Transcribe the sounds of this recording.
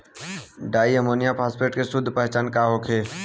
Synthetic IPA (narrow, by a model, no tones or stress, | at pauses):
ɖaːiəmoːnijapʰaːspɾeːʈkesʊd̪ʱpəɦt͡ʃaːnkaːɦoːkʰeː